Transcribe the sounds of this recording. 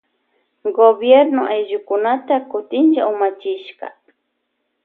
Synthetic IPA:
ɡobjeɾnʊʔajʒʊkʊnat̪akʊt̪ɪnt͡ʃa̰ʊmat͡ʃɪʃɢɑ̰

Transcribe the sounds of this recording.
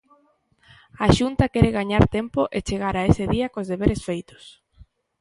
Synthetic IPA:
aʃunt̪akɛɾeɣaɲaɾt̪empoʔet͡ʃeɣ̞aɾaesɪðiɐkozðeβeɾesfejt̪ʊ̥s

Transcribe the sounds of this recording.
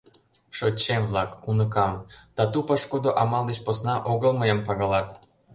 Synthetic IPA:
ʃot͡ɕːemβlɑkunə̆kɑmd̪̥ɑt̪upəʃkod̪oʔɑmɑld̪et͡ɕposnɑʔoɣəlmɤjempɑɣɑlɑt̪

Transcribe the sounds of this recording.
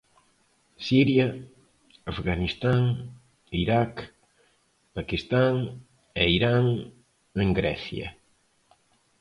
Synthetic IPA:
siɾjɐ | afɣanist̪aŋ | iɾak | pakist̪aŋ | eiɾaŋ | eŋɡɾɛ̰θjɐ̰

